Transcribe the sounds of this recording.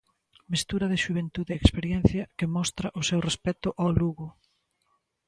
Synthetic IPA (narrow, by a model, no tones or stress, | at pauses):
mist̪uɾɐðɪʃuβent̪uðeːkspeɾjɛn̟θjɐkemɔst̪ɾɐʔʊsewrespɛt̪ʊʔawluɣʊ